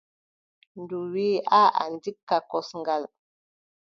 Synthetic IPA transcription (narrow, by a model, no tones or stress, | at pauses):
nduwiaʔa̰ndikːakɔsŋɡal